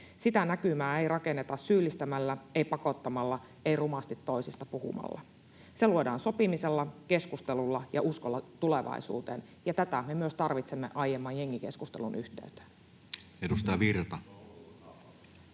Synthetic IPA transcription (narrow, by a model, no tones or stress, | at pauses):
sit̪ænækymæːe̞jrɑke̞nːet̪ɑssyːlːist̪æmælːæeipɑko̞t̪ːɑmɑlːɑ | eijrumɑst̪it̪ːo̞isist̪ɑpuhṵmɑ̰lːɑ̰ | seluo̞dɑːnso̞pimiselːɑke̞skust̪elulːɑjɑʔuskolːɑt̪uleʋɑ̰isṵːt̪eːn | jɑt̪æt̪æme̞myøst̪ɑrʋit̪semːḛʔɑjemːɑːjje̞ŋːike̞skust̪elunʔyht̪eyt̪æ̥ | edust̪ɑjɑʋirt̪ɑ